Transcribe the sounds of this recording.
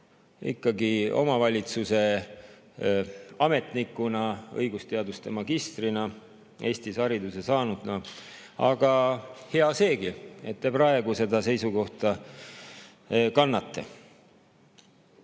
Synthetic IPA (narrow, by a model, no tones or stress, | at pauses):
ḭkːɑɡio̞̰mɑvɑlʲit̪suse̞ | ɑme̞t̪nikːˑunɑɤ̰jɡ̥ust̪e̞ɑd̪ust̪e̞mɑɡ̥ist̪rinɑ | e̞ːst̪ishɑɾid̪use̞sɑːnud̪̥nɑ | ɑ̰ɡ̥ɑhe̞ɑse̞ːɡie̞t̪ːepɾɑe̞ɡ̥use̞d̪ɑse̞jsuko̞ht̪ɑ | kɑnːɑt̪ːḛ